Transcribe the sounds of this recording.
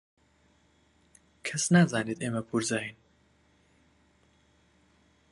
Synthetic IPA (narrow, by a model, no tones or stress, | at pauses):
kʰɛsnaːzaːniːd̪eːmɛpʰuɾzaːin